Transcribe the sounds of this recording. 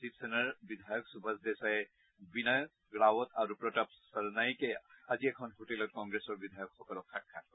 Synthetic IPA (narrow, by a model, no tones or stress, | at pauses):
sitsenaɹbid̪ʱajɔksubʱazdɛsaɛ | binajɔ | ɡɹawɔt̪ʰaɹupɹɔtɔpsaɹnajkɛaziɛkʰɔnɦotelɔt̚kɔŋɡɹesɔɹbid̪ʱajɔkxɔkɔlɔkʰːakʰːa